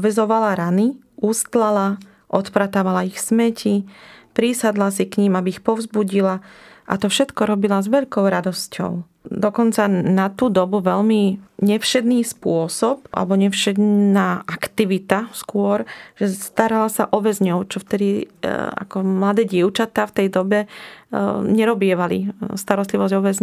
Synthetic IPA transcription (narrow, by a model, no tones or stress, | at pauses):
ʋɛzɔʋalaɾani | uːst̪lala | ʔɔt̪pɾat̪aːʋalaixsmɛcʰipɾisad̪lasikɲimabiixpɔvʊzbuɟilaʔa̰t̪ɔfʃɛt̪kɔɾɔbilazʋɛʎkɔʊɾad̪ɔscɔ̰ʊ | d̪ɔkɔnt͡sanat̪uːd̪ɔbuʋɛʎmiɲɛfʃɛd̪niːspʊɔsɔpa̰lɛbɔɲɛfʃɛd̪naːʔakt̪iʋit̪askʊɔɾʒ̥ɛst̪aɾalasaʔɔʋɛzɲɔʊt͡ʃɔft̪ɛd̪ia̰kɔmlad̪ɛːɟɪɛʊt͡ʃat̪aːft̪ɛjd̪ɔbɛ | ɲɛɾɔbɪɛʋalḭst̪aɾɔst̪liʋɔzɟɔʋɛzɲ